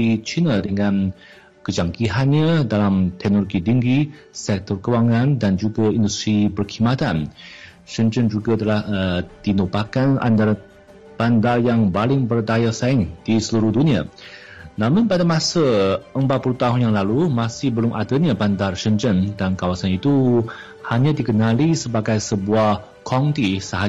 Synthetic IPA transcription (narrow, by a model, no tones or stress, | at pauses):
it͡ʃinadəŋãn | kəd͡ʒaŋkiɦanɲadalamt̪ɛk̚noloɡidiŋɡi | sɛk̚t̪ɔrkəwaŋandand͡ʒuɡaindust̪ɾibərkʰimat̪an | ʃənd͡ʒənd͡ʒuɡat̪əlahəd̪̥inobakana̰ndar | b̥andarjaŋbalɪŋbərd̪ajasaɪŋd̥isəluɾʊhdunĩa̰ | nãmʊ̃npadamãsaəmbat̪̚pulut̪aɦʊnjaŋlalumasɪhbəlʊmʔadaɲabandarʃənt͡ʃəndankawasanit̪u | haɲãdikənalisəbaɡajsəbuah | kʰɔnt̪isəɦa